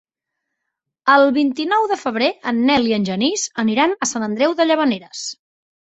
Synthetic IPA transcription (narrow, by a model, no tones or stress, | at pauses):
əlˠβint̪inɔwðəfəβ̞ɾeənːɛliənʲʒənizəniɾanəsanənd̪ɾɛwðəʎəβ̞əneɾəs